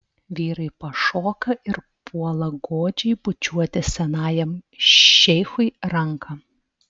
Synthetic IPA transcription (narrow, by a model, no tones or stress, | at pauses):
ʋʲiːɾɐɪpɐʃoːkɐʔɪɾ | pʰuɔlˠɐɡoːd͡ʒʲɛɪbʊt͡ʃʲuɔt̪ʲɪsʲɛnɑːjɛmː | ɛɪxʊɪɾɐŋkʰɐ